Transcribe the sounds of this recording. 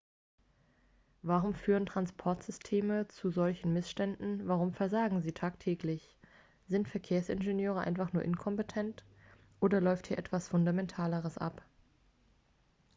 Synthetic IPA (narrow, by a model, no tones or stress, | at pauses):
vaʁʊmfyːʁ̞əntʁ̥anspʰɔɐtz̥ʏstʰeːmət͡suzɔlçn̩mɪsʃtɛndn̩vaʁʊmfɛɐzaːɡŋ̩ziːtʰaːktʰɛːklɪç | z̥ɪntfɛɐkʰeːɐsʔɪ̰nʒenjøːʁ̞əʔa̰ɪnfaχnuːɐʔɪnkʰɔmpetʰɛnt | ʔoːdɐlɔʏfthiːɐʔɛtv̥asfʊndamɛntʰaːləʁəsʔa̰p